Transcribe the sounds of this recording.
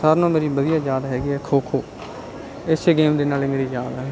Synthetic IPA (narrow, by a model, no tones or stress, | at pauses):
saːɾnõːmeːɾiːbəd̪ɪjãːd͡ʒaːd̪ɦɛːɡiːɛːkʰoːkʰoː | ɪseɡeːmd̪eːnaːlɪŋɡɽiːd͡ʒaːd̪ɛː